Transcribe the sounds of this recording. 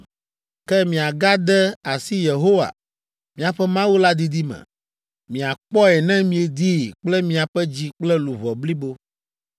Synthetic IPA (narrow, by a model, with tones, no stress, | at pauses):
kɛ˦mĩ˨a˨ɡa˦d̪ɛ˦a˨si˦je˨ɦo˦wa̰˨ | mĩ˨a˨ɸɛ˦mã˦wu˦la˦d̪i˨d̪i˦mɛ̰̃˨ | mĩ˨a˨k͡pɔ˦ɛ˨nɛ̃˦mĩ˨ɛ˨d̪i˦k͡plɛ˦mĩ˨a˨ɸɛ˦d͡ʑi˦k͡plɛ˦lu˨vɔ˨bli˦bo˦